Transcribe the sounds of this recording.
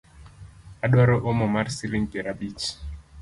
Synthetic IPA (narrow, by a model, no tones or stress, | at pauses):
aɗwaɾɔʔɔmɔmaɾsiliŋkɛɾabit͡ʃ